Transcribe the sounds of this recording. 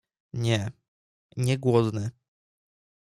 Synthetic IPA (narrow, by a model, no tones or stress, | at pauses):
ɲɛ | ɲɛɡwɔd̪nɘ